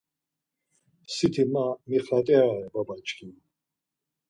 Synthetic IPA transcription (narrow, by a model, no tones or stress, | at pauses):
sit̪ʰimamiχat̪ʼɛaɾɛbabat͡ʃʼkʰʼia